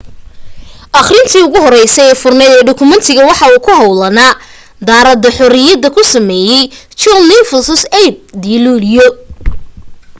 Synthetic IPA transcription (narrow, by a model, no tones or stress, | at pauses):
ʔɑχrɪnt̪ʰiːʊɣʊɦɔɾɛjsɛɛːfʊrnɛðɛːɖʊkʰʊmɐnt̪ʰɪɣɐwɑħɑuːkʰʊɦɐwlɐnaː | d̪aːɾɐd̪ɔħɔɾɪjɐd̪ɐkʰʊsɐmɛːjɛj | t͡ʃɔlnɪfɐsɔsɛjb̚d̪iːluːljɔ